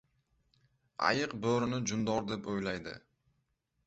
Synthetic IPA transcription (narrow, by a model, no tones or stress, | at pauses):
a̰jɨqboɾɪnɪd͡ʒʊnd̪ɒɾd̪e̞pojlajd̪ɪ̰